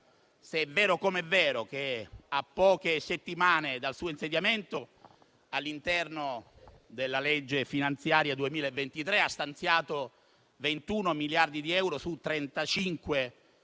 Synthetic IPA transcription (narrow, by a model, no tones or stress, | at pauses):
seɛvːɛːɾokomɛvːɛːɾok̟eapːɔːkeset̪ːimaːned̪alsuːoinsed̪jament̪o | alːint̪ɛrno | d̪elːaled͡ʒːefinant̪sjaːɾjad̪uemiːlaevːent̪it̪ɾeast̪ant̪sjaːt̪o | vent̪unomiljard̪id̪iɛwɾosut̪ːɾent̪at͡ʃiŋkwe